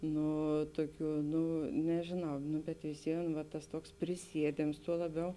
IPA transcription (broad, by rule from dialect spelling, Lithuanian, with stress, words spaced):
ˈnʊ ˈtuɔˌkʲuː ˈnʊ nʲɛʒʲeːˈnɐʊ nʊ bʲɛt ʋʲɪsʲˈʋʲiɛn ʋɐ tɐs ˈtuɔks pʲrʲɪˈsʲiɛdʲeːms tuɔ lˠɐˈbʲɛʊ